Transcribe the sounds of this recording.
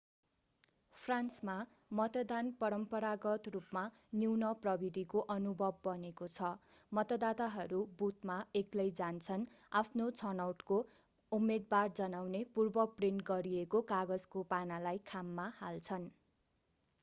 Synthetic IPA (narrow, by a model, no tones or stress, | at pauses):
pʰransma | mʌt̪ʌd̪anpʌɾʌmpʌɾaɡʌt̪rupma | niwnʌprʌbid̪ʱikoʔʌnubʱʌbːʌnekot͡sʰʌmʌt̪ʌd̪at̪aɦʌɾubut̪maeklʌjd͡zant͡sʰʌn | apʰnot͡sʰʌnawʈko | umed̪̚bard͡zʌnawnepurbʌprenɡʌɾiekokaɡʌd͡zkopanalajkʰamːahalt͡sʰʌn